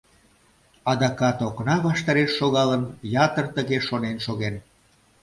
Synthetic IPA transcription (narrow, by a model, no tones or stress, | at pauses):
ɑd̪ɑkɑt̪oknɑβɑʃt̪ɑɾeʃːoɣɑlənjɑt̪ərt̪əɣeʃonenʃoɣen